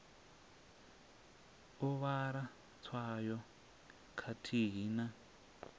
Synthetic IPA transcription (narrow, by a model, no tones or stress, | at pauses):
ɔβaɾa | t͡sʰwajɔ | kʰatʰiɦina